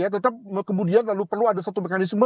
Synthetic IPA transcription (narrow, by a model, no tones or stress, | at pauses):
jat̪ət̪ap̚kəmudianlalupərluadasat̪umekanɪsmə